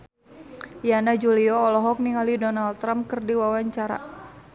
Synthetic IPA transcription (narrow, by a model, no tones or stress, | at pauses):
janad͡ʒuliɔːlɔɦɔk̚niŋalidɔnald̪t̪ɾamkɨrdiwawaɲt͡ʃaɾa̰